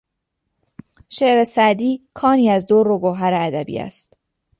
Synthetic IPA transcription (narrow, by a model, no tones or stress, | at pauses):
ʃeʔɾe̞sæd̪iːkʰɒːniːæzd̪oroɡoɦæɾeæd̪æbḭːæ̰st̪